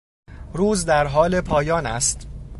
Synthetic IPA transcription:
ɾuːzd̪æɾɦɒːle̞pʰɒːjɒːnæ̰st̪

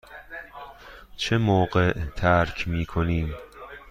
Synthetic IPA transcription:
t͡ʃʰemoːɢeʔt̪ʰæɾkʰmiːkʰoniːm

